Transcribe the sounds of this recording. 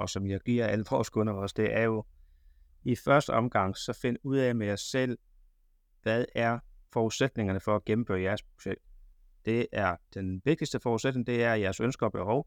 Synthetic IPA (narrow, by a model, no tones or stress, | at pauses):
ɒ̽sɒ̽mjɑ̈ɪɡ̥iɐ̰æləfʰʁɒ̰ːskʰɔ̽nɐɒ̽sd̥e̝ʔæɐjo̝ | ifɶɐsd̥əɒ̽mɡ̥ɑ̈ŋ̰sɒ̽fe̝nuð̞̰ˠɛmejæsel̰ | ʋæðˠæɐfɒuðˠsed̥ne̝ŋɐnəfɒ̽æɡ̥em̩fø̰ːɐjæɐspʰo̥ɕeɡ̥̚d̥ | d̥e̝æɐd̥enʋe̝ɡ̥̚d̥isd̥əfɒːuðˠsed̥ne̝ŋd̥e̝æɐjæɐsønsɡ̥ɐɒ̽b̥e̝hɒʊ